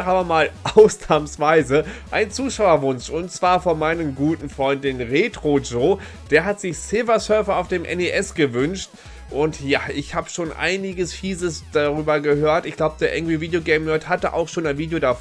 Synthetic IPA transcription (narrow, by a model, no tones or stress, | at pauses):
ʔaːbɐmaːlʔaʊsnaːmsv̥aɪzəʔaɪnt͡suːʃaʊɐvʊnʃʊntt͡sv̥aːɐfɔnmaɪnəmɡuːtn̩fʁ̥ɔʏndɪnnʁeːtʁ̥od͡ʒoː | d̥eːɐɦatz̥ɪçsɪlvɐsœɐfɐaʊfd̥eːmʔɛ̰neʔɛsɡ̥əvʏnʃt | ʔʊntjaːʔɪçhaːbəʃoːnʔa̰ɪnɪɡəsfiːzəsd̥aʁyːbɐɡəhøːɐtɪçɡ̥laʊbəd̥eːɐʔɛŋv̥iviːdjoɡɛɪmmœɐthatəʔa̰ʊxʃoːnaɪnviːdjodaf